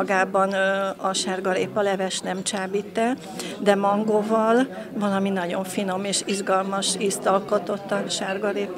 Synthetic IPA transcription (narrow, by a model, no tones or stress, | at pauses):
ɡaːbɒnɒʃaːrɡɒɾeːpɒlɛvɛʃnɛmt͡ʃaːbiːt̪ːɛ | d̪ɛmɒŋɡoːvɒl | vɒlɒminɒɟo̞ɱfino̞meːʃiʒɡɒlmɒʃist̪ɒlko̞t̪o̞t̪ːɒʃaːrɡɒɾeːp